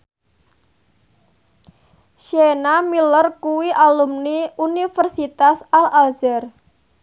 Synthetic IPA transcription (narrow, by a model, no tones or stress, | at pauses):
ʃenamilərkuwiʔalumniunifərsit̪asalald͡ʒər